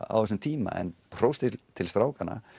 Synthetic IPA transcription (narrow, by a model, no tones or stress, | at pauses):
a̰wɛsʏmt̪ʰiːma̰ɛ̰npʰɾ̥owst̪ɪt̪ʰɪlst̪ɾaːwkanːa̰